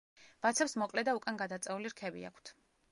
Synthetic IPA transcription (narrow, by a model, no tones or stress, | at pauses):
b̥at̪sʰɛpsmɔkʼlɛd̪aukʼanɡad̪at̪sʼɛuliɾkʰɛbḭa̰kʷʰt̪ʰ